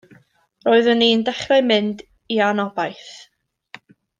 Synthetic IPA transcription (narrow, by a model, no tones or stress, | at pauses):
roːɨðənindɛχrɛmɪnd | ianɔbajθ